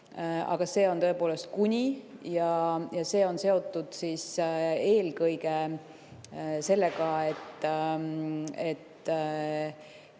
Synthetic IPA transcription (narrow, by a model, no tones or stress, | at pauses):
ɑ̰ɡ̥ɑse̞ːo̞nt̪ɤ̞e̞po̞ːle̞st̪̚kunʲijɑjɑse̞ːo̞nse̞o̞t̪ːˑud̪̥sise̞ːlkɤjɡe | se̞lːeɡɑe̞t̪ː | et̪ː